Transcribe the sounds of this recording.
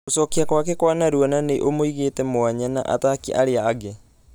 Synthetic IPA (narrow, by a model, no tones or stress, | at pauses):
osɔkiakwakekwanaɾuananeʔomoiɣeːtɛmwaɲana̰ʔa̰takiʔaɾeaːɡe